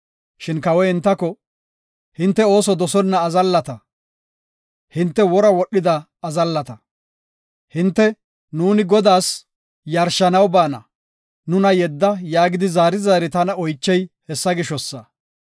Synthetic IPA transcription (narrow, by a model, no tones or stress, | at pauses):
ʃɪnkɐwɛhɪnt̪ːɐkɔ | hɪnt̪ːɛo̞ːsɔd̪ɔsɔnːɐːzɐlːɐt̪ɐ | hɪnt̪ːɛwɔɾɐwɔɗːɪd̪ɐː | zɐlːɐt̪ɐ | hɪnt̪ːɛ | nuːnɪɡɔd̪aːs | jɐɾʃɐnɐwbaːnɐ | nʊnɐjɛd̪ːɐjaːɡɪd̪ɪzaːɾɪzaːɾɪt̪ɐnɐɔjt͡ʃːɛjhɛsːɐɡɪʃɔsːɐ